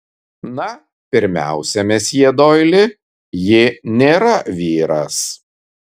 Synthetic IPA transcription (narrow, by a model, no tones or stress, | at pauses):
nɐ | pʲɪɾʲmʲæ̰ˑʊsʲɛmʲɛsʲjiɛd̪oːjlʲɪ | jɪnʲeːɾɐʋʲiːɾɐs